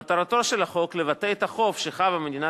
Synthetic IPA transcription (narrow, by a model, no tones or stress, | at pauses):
at̪aʁat̪o̞ʃe̞laχo̞kle̞vat̪eet̪aχo̞fʃeχavamed̪ina